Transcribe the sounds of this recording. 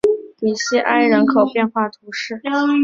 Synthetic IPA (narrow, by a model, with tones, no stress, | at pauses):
t̪i˨˩ɕjɛ˥ʔa˥˩ɪɻə˧˥nkʰo˨˩ʊpjɛ˥˧nxwa˥˩t̪ʰu˧˥ʂɻ̩˥˩